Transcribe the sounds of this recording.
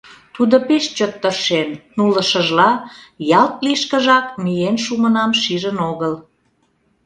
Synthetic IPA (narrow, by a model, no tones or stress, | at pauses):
t̪ud̪opeʃt͡ɕot̪ːərʃenːuləʃəʒlɑjɑlt̪̚liʃkəʒɑkmijenʃumənɑmʃiʒənoɣəl